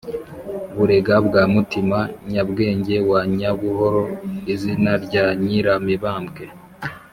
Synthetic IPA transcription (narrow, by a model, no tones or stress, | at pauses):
βuɾe̞ɡabɡaːmutimaɲabɡe̞ːɲɟe̞waɲaβuho̞ɾo̞nizinaɾɟaɲiɾamiβaːmbɡe̞